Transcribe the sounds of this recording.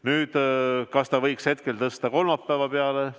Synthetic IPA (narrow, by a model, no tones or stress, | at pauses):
nyːd̪̥kɑst̪ɑvɤjkshe̞t̪̚ke̞lt̪ɤst̪ɑko̞lmɑpːæːvɑpeɑle